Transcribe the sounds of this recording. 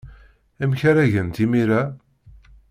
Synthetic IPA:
æmçaɾæʝənt̪imiɾa

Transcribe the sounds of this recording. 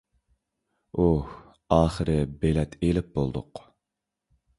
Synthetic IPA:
uh | ɑːχəɾɨbelɛt̪ʰelɪp̚bolˠd̪ʊ̰q

